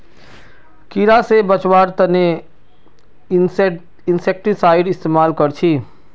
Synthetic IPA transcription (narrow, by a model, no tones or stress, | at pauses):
kiːɾasebət͡ʃwaːɾt̪ɐne | ɪnsek̚ʈisaːɪɖɪst̪eːmaːlkəɾt͡ʃʰiː